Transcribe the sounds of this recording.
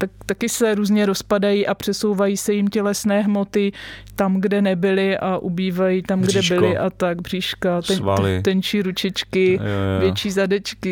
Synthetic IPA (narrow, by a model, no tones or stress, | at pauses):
t̪ak̚t̪akɪsɛɾuːzɲɛɾospadajiːʔapr̝̥ɛsowvajiːsɛjɪmcɛlɛsnɛːɦmo̞t̪ɪt̪amɡdɛnɛbɪlɪʔaʔubiːvajit̪amɡdɛbɪlɪʔat̪aɡ̚br̝iːʃkat̪ɛa̰lɪ̰t̪ɛnt͡ʃiːɾut͡ʃɛt͡ʃkɪvjɛt͡ʃiːzadɛt͡ʃkɪ